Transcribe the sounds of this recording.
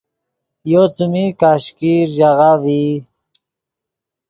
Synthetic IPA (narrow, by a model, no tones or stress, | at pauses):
jot͡sumikaɕkiɾʒaɣavi